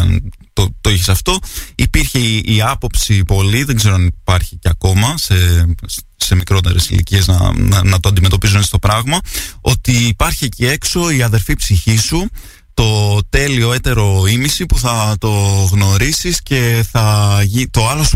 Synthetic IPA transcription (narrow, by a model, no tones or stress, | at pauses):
nt̪ot̪oiçisɐft̪o̞ipiɾçeiɐpo̞psipo̞liðe̞ŋɡze̞ɾoɐnipɐɾçi̥ceɐko̞mɐse | se̞mikɾo̞t̪e̞ɾe̞sḭlḭcie̞znɐ̰ɐnɐt̪oɐnd̪ime̞t̪̬o̞pizunest̪o̞pɾɐɣmɐo̞t̪iːpɐɾçiecie̞kso̞iɐðe̞ɾfipsiçisu | t̪o̞t̪e̞lio̞e̞t̪e̞ɾo̞imisipuθɐt̪o̞ɣno̞ɾisisce̞θɐʝit̪o̞ɐlo̞s